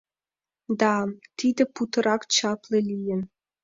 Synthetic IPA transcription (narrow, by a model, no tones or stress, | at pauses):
d̪ɑt̪id̪ɘ̆put̪ɤ̆ɾʔɑkt͡ɕɑplĕlʲijɘ̆n